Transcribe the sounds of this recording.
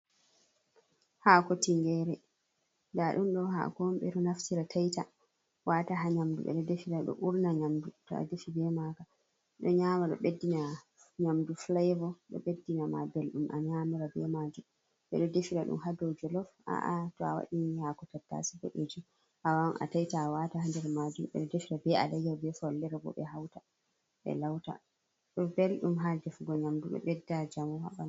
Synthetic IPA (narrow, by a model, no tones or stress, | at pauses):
hakɔtiŋɡɛɾɛ | daɗumɗɔɦa̰kɔmɓɛtɔnaftiɾatʰajta | wataɦaɲamdṵɓɛ̰ɗɔdefiɾaɗɔ̰ʔuɾnaɲamdutɔ̰a̰defibɛmaka | ɗɔɲaːmaɗɔ̰ɓedːina | ɲamduflajvɔɗɔ̰ɓedːinamabelɗumʔa̰ɲaːmuɾabɛmad͡ʒum | ɓɛ̰ɗɔdefiɾaɗṵmɦadod͡ʒɔlɔfa̰ʔatɔawa̰ɗihakɔtatːa̰siɡɔ̰ʔed͡ʒu | ʔawamʔa̰tajtawatahandɛɾmad͡ʒumɓɛ̰ɗɔdefiɾabɛa̰lɛjawbɛfɔlːɛɾabɔ̰ɓɛ̰ɦawta | ɓɛ̰lawta̰ | ɗɔbelɗumɦadɛfɡɔɲamduɓɛ̰ɓɛdːad͡ʒamɔwa̰ɓan